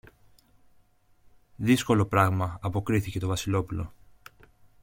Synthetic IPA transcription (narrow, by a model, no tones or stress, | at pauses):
ðisko̞lo̞pɾɐɣmɐːpo̞kɾiθice̞t̪o̞vɐsilo̞pulo̞̰